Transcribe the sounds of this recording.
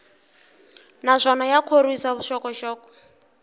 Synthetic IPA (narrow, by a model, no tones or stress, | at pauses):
nazʷɔnajakʰoɾwisaβuʃɔkɔʃɔːkɔ̥